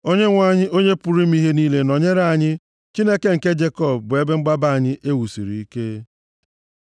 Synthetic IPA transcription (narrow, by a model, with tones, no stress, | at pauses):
o˦ɲe˦ŋʷa˦˨ɲɪ˦ʔo˦ɲe˦pu˨ɾi˦m̩˦i˦ɦe˦niː˦le˦nɔ˨ɲe˦ɾa˦˨ɲɪ˦ | t͡ʃi˦ne˦ke˦ŋ̩˨ke˦d͡ʒe˦kɔ˦˨b̚bʊ˨e˦be˦ŋ͡m̩˦ɡ͡ba˦ba˦˨a˨ɲɪ˦ʔe˦wu˨sḭ˨ɾḭ˨i˦ke˦